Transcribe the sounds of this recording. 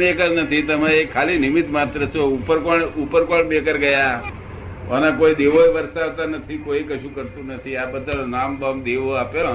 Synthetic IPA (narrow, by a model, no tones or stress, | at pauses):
ekəɾnət̪ʰit̪əmaeekʰːalinimit̪mat̪ɾət͡ʃʰoupəɾkoɳupəɾkoɳbekəɾɡəja | ʋənakoid̪eʋoeʋəɾsaʋt̪anət̪ʰikoikəʃũkəɾt̪ũnət̪ʰiabəd̪ʱalnambamd̪eʋoapo